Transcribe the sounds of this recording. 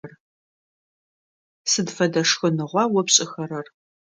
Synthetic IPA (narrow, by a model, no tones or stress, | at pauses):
r | sɨdfɐdɐʂxɐnɨʁʷɑːwɔpɕʼɪxɐɾɐr